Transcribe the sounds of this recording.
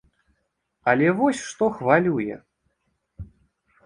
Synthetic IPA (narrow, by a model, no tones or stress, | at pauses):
ɐlʲɛvɔsʲʂt̪ɔxvalʲujɛ̰